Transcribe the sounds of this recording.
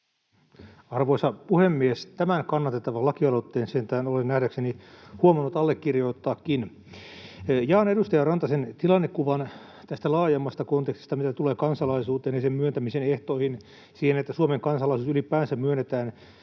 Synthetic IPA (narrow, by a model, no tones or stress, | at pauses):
ɑrʋoisɑpuhemːiest̪æmænkɑnːɑt̪et̪ːɑʋɑlɑkiɑlot̪ːeːnsent̪æːnolennæhdæksenihuomɑnːut̪ɑlːekːirjoit̪ːɑːkkin | jɑːnedust̪ɑjɑrɑnt̪ɑsent̪ilɑnːekːuʋɑn | t̪æst̪ælɑːjemːɑst̪ɑkont̪ekst̪ist̪ɑmit̪æt̪uleːkɑnsɑlɑisuːt̪eːnjesemmyønt̪æmiseneht̪oihin | siːhenet̪ːæsuomeŋkɑnsɑlɑisuːsylipæːnsæmmyønːet̪æːn